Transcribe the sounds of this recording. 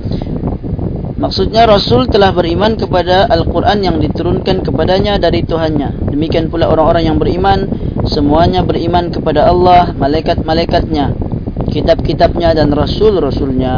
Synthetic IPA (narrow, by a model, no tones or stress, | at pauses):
maksut̪̚ɲaɾasʊlt̪əlahbəɾimankəpadaʔːlkurʔanjaŋdit̪uɾunkankəpadaɲadaɾit̪uɦanɲadəmikianpulaoɾaŋoɾaŋjaŋbəɾimansəmuaɲabərimankəpadaɑlːɑhmalajkat̪̚malajkat̪̚ɲakit̪ab̚kit̪ab̚ɲadanrasʊlrasulɲa